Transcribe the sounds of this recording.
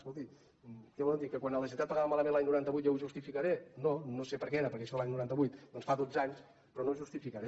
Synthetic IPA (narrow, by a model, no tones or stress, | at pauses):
skulˠt̪i | kɛβɔlɛwd̪ikəkwanələʃ̬int̪at̪̚pəɣaβəmaləmẽnlaɲnuɾant̪əβujt̪jɔwʒust̪ifikəɾenonosepəɾkɛeɾəpəɾkɛʃɔðəlaɲnuɾant̪əβujt̪d̪ɔnsfaðod͡zaɲs | pɾɔnowʒust̪ifikəɾe